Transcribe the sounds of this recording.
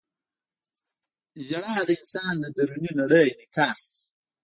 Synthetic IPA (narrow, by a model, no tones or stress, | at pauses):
ʒaɽad̪əɪnsɑːnd̪əd̪aɾuninaɽəjnɪkɑːst̪i̥